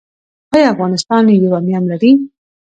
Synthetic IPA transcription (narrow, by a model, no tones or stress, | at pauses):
ɑjɑafɣɑnɪst̪ɑnjoɾamjɑmlaɾi